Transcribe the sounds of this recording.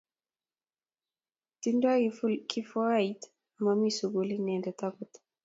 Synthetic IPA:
tindaɡifulkifɔɾajt | amamisuɡulinɛndɛtakɔtḁ

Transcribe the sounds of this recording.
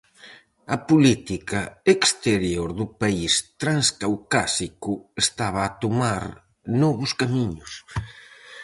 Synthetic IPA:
ɐpulit̪ikɐekst̪eɾjoɾðʊpaist̪ɾanskawkasikʊest̪aβ̞ɐːt̪omaɾ | nɔβʊskamiɲʊs

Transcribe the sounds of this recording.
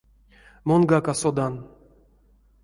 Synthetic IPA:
monɡakasod̪an

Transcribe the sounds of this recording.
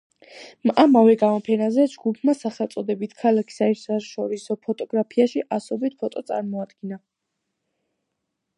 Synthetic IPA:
mamavɛɡamɔpʰɛnazɛd͡ʒɡupʰmasaχɛlˠt̪sʼɔd̪ɛbit̪ʰkʰalakʰi̥saiɾsaʃɔɾisɔpʰɔt̪ʼɔɡ̥ɾapʰiaʃiʔasɔbit̪̚pʰɔt̪ʼɔt̪sʼa̰ɾmɔad̪̥ɡ̥ina

